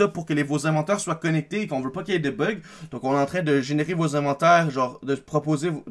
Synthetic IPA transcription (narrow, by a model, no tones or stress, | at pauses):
ɔpuʁkəlevozɛ̃vɑ̃t̪œːʁswakɔnɛk̚t̪eːkɔ̃vəpakʲjed̪əbœɡ | d̪̥ɔ̃kɔ̃neɑ̃t̪χɛ̃d̪əʒeneʁevozɛ̃vɑ̃t̪ɛːʁʒɑːʁd̪əpχɔpoze